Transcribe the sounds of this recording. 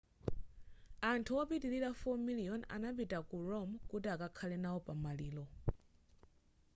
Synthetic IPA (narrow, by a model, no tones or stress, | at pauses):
antʰuɔpitiliɾafɔmiliɔna̰napitakuɾɔmkutiakakʰalɛnawɔpamaliːlɔ